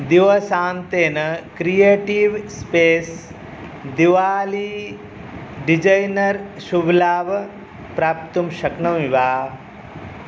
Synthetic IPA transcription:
d̪iʋɐsaːnt̪eːnɐkɾijeːʈiʋspeːs | d̪iʋaːli | ɖid͡ʒɐjnɐɾʃublaːʋ | pɾaːp̚t̪umʃɐknɐmiʋaː

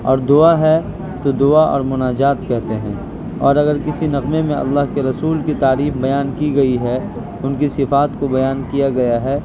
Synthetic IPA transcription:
ɔːɾd̪ʊaɦɛ | t̪od̪ʊaʔɔ̰ːɾmʊnaːd͡ʒaːt̪kɛɦt̪eɦɛ̃ː | ɔːɾɐɡəɾkɪsinɐqmemẽɐ̰lːaːɦkeɾɐsuːlkit̪aːɾiːfbɐjaːnkiɡɐiɦɛ | ʊnkisɪfaːt̪kobɐjaːnkijaɡɐjaɦɛː

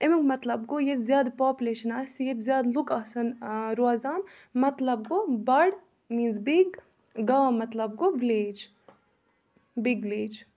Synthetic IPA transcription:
ɪmɪkmɐt̪lɐb̚ɡojet̪zjaːd̪paːpʲjuleːʃɐnaːsjɛt̪zjaːd̪lʊkɐsɐnɾuaːzaːmmɐt̪lɐb̚ɡobɐɽ | mĩːnzbiɡ | ɡaːmɐt̪lɐb̚ɡoʋɪleːd͡ʒ | bɪɡʋɪleːd͡ʒ

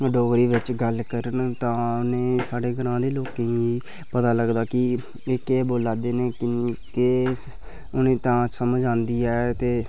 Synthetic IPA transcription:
ɖoːɡɾiːʋɪt͡ʃɡəlkəɾənt̪ãːʊnẽːsaːɖeːɡəɾãːd̪eːloːkẽːi | pət̪aːləɡd̪aːkɪ | ekeːboːlaːd̪eːneːkɪke | ʊnẽːt̪ãːsəməd͡ʒãːnd̪iːɛːt̪eː

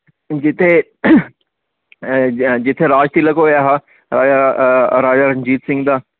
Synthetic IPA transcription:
d͡ʑɪt̪ʰe | d͡ʑɪt̪ʰeɾaːd͡ʑt̪ilɐkoʋijaːɦaː | ɾaːaɾaːd͡ʒaɾɐɲd͡ʑiːt̪sɪ̃ŋɡd̪aː

